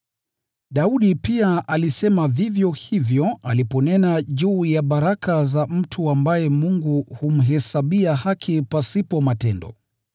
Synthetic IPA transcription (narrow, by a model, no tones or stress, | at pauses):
ɗauɗipiaʔalisɛmavivjɔhivjɔalipɔnɛnaʄuːjaɓaɾakazam̩tʰuambajɛmuŋɡuhum̩ɦɛsaɓiahakʰipasipɔmatɛndɔ̰